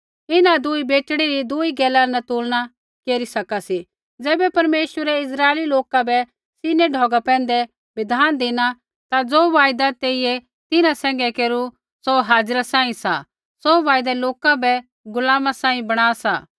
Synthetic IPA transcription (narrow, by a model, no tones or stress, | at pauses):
ɪnãd̪ʊibeːʈɽ̃iɾid̪ʊiɡɛːlanɐt̪uːlña | keːɾisɐkasi | d͡zɛːbɛpɐɾmeːʃwəɾɛɪs̬ɾaːeliloːkabɛ | siːnɛɖʱɔːɡapɛ̃ːnd̪ɛ | bɪd̪ʱaːnd̪eːna | t̪ad͡zoːʋaːjd̪at̪eːiɛ | t̪ɪnãsɛ̃ːŋɡɛkeːɾu | soɦaːd͡zɾasãːĩsa̰ | soʋaːjd̪aloːkabɛ | ɡʊlaːmasãːĩbɐɽ̃aːsa̰ː